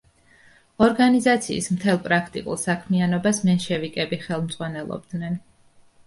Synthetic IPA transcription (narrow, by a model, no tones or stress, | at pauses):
ɔɾɡanizat̪sʰḭːsmt̪ʰɛlˠpʼɾakʰt̪ʼḭkʼṵlˠsakʰmianɔbasmɛnʃɛvikʼɛbiχɛlˠmt̪z̥ʼʁwanɛlˠɔ̰b̚d̪nɛn